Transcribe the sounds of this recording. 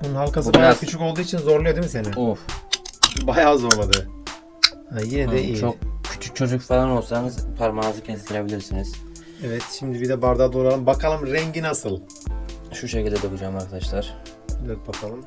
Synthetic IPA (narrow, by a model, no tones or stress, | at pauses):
bununhalˠkasɯbajaːkʰyt͡ʃʰykolˠd̪uːit͡ʃʰinzo̞ɾlˠajed̪ɯmsenɪuɾ | bajaːzo̞ɾlˠad̪ɯ | hajinɛd̪ɛit͡ʃʰok̚cʰy̥t͡ʃʰyk̚t͡ʃʰo̞d͡ʒucfalˠano̞lˠsanɯzpʰaɾmanɯzɯcʰensit̪ʰiɾe̞bilʲiɾsiniz̥ | ɛvɛt̪ʃimd̪ibid̪ɛbaɾd̪ad̪oɾalˠɯmbakʰalˠɯmɾɛɲɟinasɯlˠ | ʃuʃecilʲd̪ɛd̪ɯkud͡ʒaːmaɾkʰad̪aʃlˠaɾ̥ | evɛt̪̚bakʰalˠɯm